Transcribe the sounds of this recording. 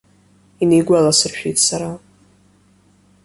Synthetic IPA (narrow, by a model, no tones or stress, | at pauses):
inejɡʷalasɨrʃᶣijtʼsaɾa